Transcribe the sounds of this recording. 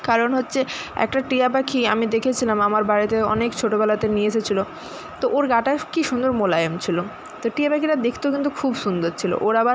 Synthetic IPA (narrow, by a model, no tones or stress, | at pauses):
kaɾonɦotːɕʰeɛ̰k̚ʈaʈijabakʰiamid̪ekʰet͡ɕʰilamamaɾbaɾit̪eɔ̰nekt͡ɕʰoʈobɛlat̪enieeʃʰet͡ɕʰilo | t̪oʔoɾɡaʈakiʃund̪oɾmolaemt͡ɕʰilo | t̪oʈiabakiɾad̪ekʰt̪okint̪̬ukʰubsund̪oɾt͡ɕʰilo̰ʔoɾabaɾ